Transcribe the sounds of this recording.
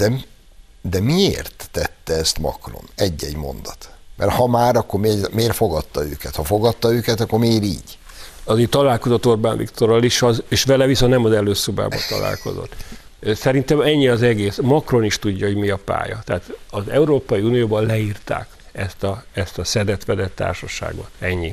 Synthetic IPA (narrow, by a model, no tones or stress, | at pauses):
d̪̥ɛm | d̪ɛmiḛːrt̪ːɛt̪ːɛɛst̪mɒ̰kro̰nɛɟːɛɟmo̞̰nd̪ɒt̪mʔɛ̰rhɒmaːɾɒkːo̞rmeːmeːrfo̞ɡɒt̪ːɒø̰ːkɛt̪hɒfo̞ɡɒt̪ːɒøːkɛt̪ɒkːo̞rmeːɾḭːɟ | ɒzeːt̪ɒlaːlko̞zot̪ːo̞rbaːnvḭkt̪o̞ɾɒliʃɒzeːʃʋɛlɛvisonnɛmɒzɛløːsoba̰ːbɒ̰t̪ɒ̰la̰ːlko̞̰zo̞̰t̪ː | sɛɾint̪ɛmɛɲːiɒzɛɡeːsmɒkro̞niʃt̪uɟːɒɦo̞ɟmiɒpa̰ːjɒ̰t̪ɛaːt̪ɒzɛuɾoːpɒjiuːnijoːbɒnlɛiːrt̪a̰ːk | ɛst̪ɒɛst̪ɒsɛd̪ɛt̪ʋɛd̪ɛt̪ːa̰ːrʃɒʃa̰ːɡo̰t̪ɛɲːi